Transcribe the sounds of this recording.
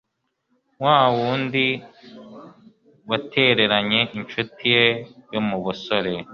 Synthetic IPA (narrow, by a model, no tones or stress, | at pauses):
waːwuːndi | watʰe̞ɾe̞ɾaɲe̞ʔint͡ʃutʰije̞jo̞muβuso̞ɾe̞